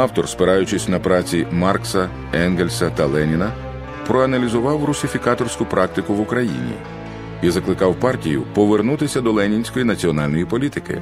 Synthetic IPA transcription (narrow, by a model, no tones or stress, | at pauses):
ɑwt̪ɔrspɪɾɑjʊt͡ʃɪsʲnɐpɾɑt͡sʲimɑrksɐ | ɛnɡelʲsɐt̪ɐlˠɛnʲinɐ | pɾɔɐnɐlʲizʊʋɑwrʊsʲɪfʲikɑt̪ɔrsʲkʊpɾʔɑk̚t̪ɪkʊʋʊkɾɐjḭnʲḭ | izɐklˠɪkɑwpɑrtʲijʊ̰pɔʋernut̪ɪsʲɐd̪ɔlˠɛnʲinʲsʲkɔjinɐt͡sʲiɔnɑlʲnɔjipɔlʲit̪ɪkɪ̰